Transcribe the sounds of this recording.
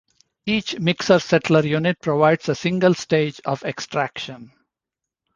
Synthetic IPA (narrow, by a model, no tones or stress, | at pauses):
iːt͡ʃmɪksəɾsɛʈləɾjuːnɪʈ̚pɾoʋaɪɖsəsɪ̃ŋɡəlsʈeːd͡ʒɔʋeksʈɾækʃə̃n